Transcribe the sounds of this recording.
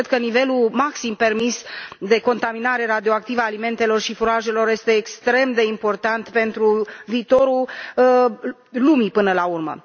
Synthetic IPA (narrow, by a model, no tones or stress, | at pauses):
d̪̚kənive̞lumaksimpe̞rmisd̪e̞ko̞nt̪aminaɾe̞ɾad̪io̞ak̚t̪ivaːlime̞nt̪e̞lo̞rʃifuɾaʒe̞lo̞rje̞st̪e̞ːkst̪ɾe̞md̪e̞impo̞rt̪ant̪pe̞nt̪ɾuviːt̪o̞ɾul | lumipɨnəlaurmə̰